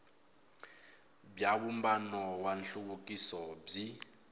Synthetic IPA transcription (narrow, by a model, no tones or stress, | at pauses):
bjaβumbanɔwanɬukukʼisɔb͡ʐi